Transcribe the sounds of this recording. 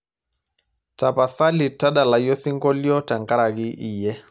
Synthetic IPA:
ta˨pa˨sa˦li˨ta˦ɗa˨la˨jɔ˦si˦ŋɡɔ˦ljɔ˦ta˨ŋɡa˦ɾa˨ki˦ʔi˨jɛ˦

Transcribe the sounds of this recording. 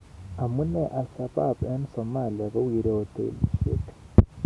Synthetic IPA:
a˨mu˦neʔa˨sa˨ba˦˨pe˦nso˨ma˨lia˨ko˦wi˨ɾoː˨tḛ˨li˨ʃḛ˦t

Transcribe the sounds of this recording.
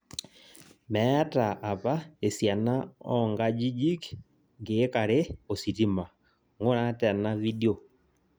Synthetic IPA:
mɛta˨ʔːpa˦e˨sja˨na˦ɔŋɡa˦d͡ʒi˦d͡ʒi˦k | ŋɡeː˦ka˨ɾe˦o˨si˨ti˦ma˨ | ŋo˦ɾa˦tɛ˨na˦vi˦deo˨

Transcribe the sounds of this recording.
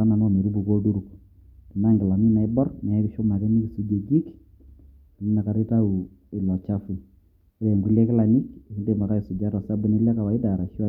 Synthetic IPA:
a˦na˨n˦˨me˨ɾu˦bu˨ko˦du˦ɾu˨k | ɪ˨na˦ŋɡɪ˨la˨mi˦na˨ɪ˦bɔ˦rnɛ˨˦ɾɪ˦ʃʊ˦ma˨kɛ˦ni˦ki˨su˦d͡ʒe˨d͡ʒi˦k | n˦na˨ka˨ɾɪ˦ta˦u˨ | ɪ˨lɔ˨t͡ʃa˦fu˨˦ | ɾɛ˨ŋɡu˨˦le˦kɪ˦la˨ni˦kkde˨ma˨ka˦ɪ˨sʊ˨d͡ʒa˦ɾɔ˨sa˦bʊ˦nɪ˦lɛ˦ka˨wa˨ɪ˦da˨ɾa˨ʃa˦

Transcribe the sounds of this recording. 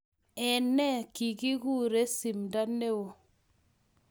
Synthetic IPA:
ɛ˨nɛ˦ki˨ɡi˦ɡu˦ɾe˦si˨mda˦ne˦wo˨

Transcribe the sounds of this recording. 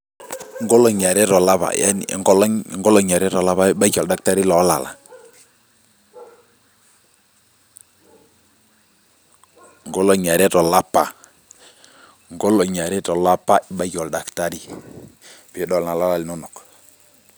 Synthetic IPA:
ŋɡo˦lɔ˨ɲa˨ɾɛ˦tɔ˨la˦pa̰˨ɛ̰˦n̰˨ɔ˦lŋɡɔ˦lɔ˨ɲa˨ɾɛ˦tɔ˨la˦βa˦i˦ba˦kɔ˨lda˦k̚ta˦ɾi˦lɔ˨˦la̰˨la̰˨ | ŋɡo˦lɔ˨ɲa˨ɾɛ˦tɔ˨la˦pːa˨ | ŋɡo˦lɔ˨ɲa˨ɾɛ˦tɔ˨la˦pa˦ʔɪ˦ɓa˦kɔ˨lda˨kta˦ɾi˦ | pɪ˨˦dɔ˨lna˨la˦la˦lnɔ˦nɔ˨k

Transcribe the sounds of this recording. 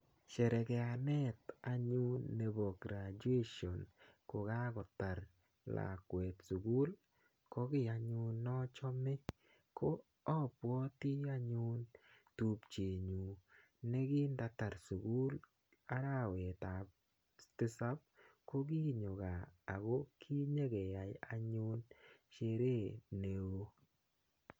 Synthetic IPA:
t͡ʃɛ˨ɾɛ˨kɛ˨a˨nɛ˦t̪a˨ɲu˦nːe˨bɔ˨ɡɾa˨d͡ʒu˦e˦ʃɔ˨nko˨ɡa˦ɡɔ˨tːa˨ɾ | la̰˨kwɛ˨tsu˨ɡu˦l | ko˦ɡɪ˦˨a˨ɲʊ˦nːɔ˦t͡ʃɔ˦mɪ˦ | ko˦ | ɔ˦pwɔ˦t̪i˦a˦ɲʊ˦ntu˨pt͡ʃe˨ɲu˨ | ne˦ɡi˦nda˨ta˨ɾsu˨ɡu˦l | a˦ɾa˦˨wɛ˨ta˨p̚ | tɪ˦sa˦p̚ko˦ɡi˦ɲo˨ɡaː˨ɡo˦kʰi˦ɲe˦ɡe˨ja˨ja˨ɲʊ˦nt͡ʃe˦ɾe˦ne˨wo˦

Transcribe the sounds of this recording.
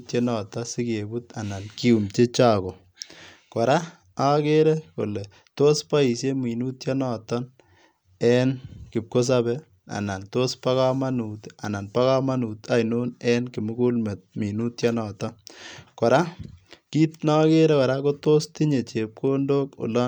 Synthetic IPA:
tje˦nɔ˨tɔ˦si˦ke˨bu˦ta˨na˨nki˦u˨mt͡ʃe˦t͡ʃa˦˨ko˨ | kɔ˨ɾa˦ | a˦ke˦ɾɛ˦ko̰˨le˨ | to˦spa˦i˨sje˦mi˨nu˦tje˦nɔ˨tɔ˦n | ɛ˦nkɪ˨p̚ko˦s̬a˦bɛ˦ | a̰˨na˨nto˦spa˦ka˦ma˦nu˨ta̰˨na˨npa˦ka˦ma˦nu˨t̪a˦jno˦nɛ˦nkɪ˨mʊ˦ku˦lme˨t̚mi˨nu˦tja˦nɔ˨tɔ˦kɔ˨ɾa˦ki˦tna˦ke˦ɾɛ˦kɔ˨ɾa˦ko˦toː˦sti˦ɲe˨t͡ʃe˨p̚ko˦ndo˦ko̰˨lɔ˦

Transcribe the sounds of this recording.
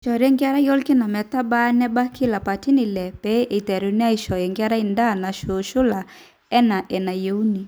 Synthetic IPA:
ʃɔ˨ɾɛ˦ŋɡa˦ɾa˦jɔ˦lki˦na˨mɛ˨ta˦ba˦nɛ˦ba˦kʰi˦la˨pa˨ti˦ni˨lɛ˨pɛ˨˦ʔe˨tɛ˨ɾu˨ni˦a˦i˨ʃɔ˨ɛ˨ŋɡa˦ɾa˦i˨nda˦˨na˨ʃo˨ʃu˦la˨ | ɛ˦na˨ʔɛ˨na˨je˨u˦ni˨

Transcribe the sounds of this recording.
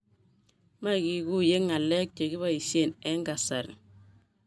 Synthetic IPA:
ma˦˨ɡi˨ɡu˦je˦ŋa˨le˦k̚t͡ʃe˨ɡi˦βa˦˨i˨si˦e˦˨ne˦ŋɡa˨sa˨ɾḭ˨

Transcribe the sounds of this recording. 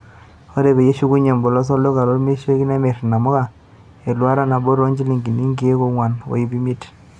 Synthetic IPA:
o˦ɾe˨be˨je˦ʃu˦ku˦ɲe˨mbo˨lɔ˦s̬ɔ˦lo˦ka˨ɾo˦ɾme˦ʃe˦ki˦ne˦me˨ɾna˨mɔ˦ka˨ | e˨lwa˦ɾa˦na˨bo˦ɾo˦ɲd͡ʒi˦li˨ŋɡi˨ni˦ŋɡi˦e˦ko˦ŋwa˨no̰˨i˦bi˦mi˦t

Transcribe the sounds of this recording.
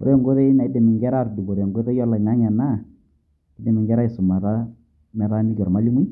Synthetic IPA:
ɔ̰˨ɾjɔ˨ŋɡo˦ðe˦na˨i˦de˨mɪ˨ŋɡɛ˦ɾa˦˨rdu˨ɡɔ˨ɾjɔ˨ŋɡo˦ðe˦jɔ˦lɔ˨ɲa˦ɲa˨na˦˨ | ɪ˦de˨mɪ˨ŋɡɛ˦ɾa˦ɪ˨sʊ˨ma˨ɾa˦ | mɛ˨ɾa˦ni˦ɡɔ˨ɾma˨˦li˦mu˦

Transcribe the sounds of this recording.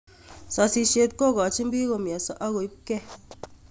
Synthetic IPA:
sɔ˨si˧ʃe˧t̚ko˦˨kɔ˨t͡ʃi˦m˦bi˦ko˨mja˨sɔ˦ʔa˦ko˨i˦p̚kɛ˦

